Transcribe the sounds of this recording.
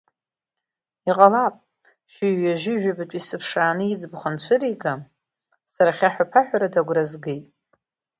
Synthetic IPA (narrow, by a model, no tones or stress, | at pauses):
iqʼalapʼ | ʃʷᶣɪʒaʒʷᶣɪʒᶣabatʷʼisɨpʰʂaːnɨid͡zbχant͡ɕʷʰʊɾiɡa | saɾaχʲaħapʰaħʷᶣaɾadaɡʷrazɡejtʼ